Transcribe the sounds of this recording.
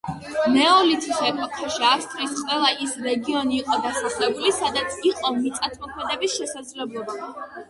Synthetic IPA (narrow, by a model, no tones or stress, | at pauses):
nɛɔlit̪ʰiʃɛkʰɔt̪ʰɛʃiafst̪ʼɾisqʼwɛlˠaʔisɾɛɡiɔniːqʼɔd̪asaχlɛbulisad̪at̪sʰiqʼɔmit̪sʼat̪ʰmɔkʰmɛd̪ɛbisʃɛsad̪zlɛblˠɔba